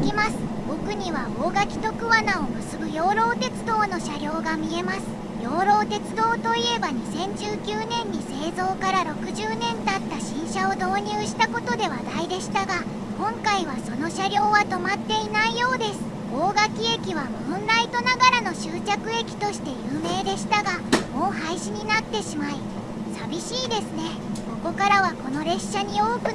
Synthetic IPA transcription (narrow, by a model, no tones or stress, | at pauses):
kʲimasɨ̥ | bo̞kɯ̟ɲ̟iβaoːɡakʲi̥t̪o̞kɯ̟βanao̞mɯ̟sɨbɯ̟jo̞ːɾo̞ːt̪e̞t͡sɨd̪o̞ːno̞ɕaɾʲo̞ːɡamʲie̞masɨ̥ | jo̞ːɾo̞ːt̪e̞t͡sɨd̪o̞ːt̪o̞ie̞baɲ̟isẽ̞ɲ̟d͡ʑɨːkʲɯːnẽ̞ɲ̟ːise̞ːzo̞ːkaɾaɾo̞kɯ̟ʑɨːnẽ̞nt̪at̪ːaɕĩɰ̃ɕao̞d̪o̞ːɲ̟ɯːɕi̥t̪ako̞t̪o̞d̪e̞β̞ad̪aid̪e̞ɕi̥t̪aɡa | kõ̞ŋkaiβ̞aso̞no̞ɕaɾʲo̞ːβat̪o̞mat̪ːe̞inaijo̞ːd̪e̞sɨ̥ | ɡo̞ːɡakʲie̞kʲiβ̞amõnɾait̪o̞naɡaɾano̞ɕɨːt͡ɕakɯ̟e̞kʲi̥t̪o̞ɕi̥t̪e̞jɯːme̞ːd̪e̞ɕi̥t̪aɡamo̞ːhaiɕiɲ̟inat̪ːe̞ɕimai | sabʲiɕiːd̪e̞sɨne̞ | ko̞ko̞kaɾaβako̞no̞ɾe̞ɕːaɲ̟io̞ːkɯ̟